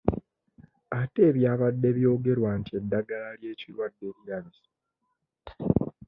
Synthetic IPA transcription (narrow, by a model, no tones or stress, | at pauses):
ate̞ːβjaːβadːe̞βjo̞ːɡe̞ɾwaːntie̞dːaɡalalje̞ːcilwadːe̞ɾjaβis